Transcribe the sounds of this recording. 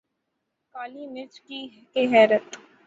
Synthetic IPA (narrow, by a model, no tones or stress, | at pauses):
kaːliːnɪt͡ʃki | keɦɛːɾət̪